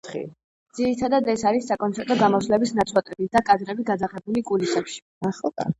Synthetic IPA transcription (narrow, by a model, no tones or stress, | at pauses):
t̪χḭ | d̪z̥iɾit̪ʰad̪ad̪ɛsaɾisːakʼɔnt̪sʰɛɾt̪ʼɔɡamɔsvlɛbisnat̪sʰwat̪ʼɛbid̪akʼad̪ɾɛbiɡad̪zaχɛbulikʼulisɛpʃi̥ | aχɔkʼa̰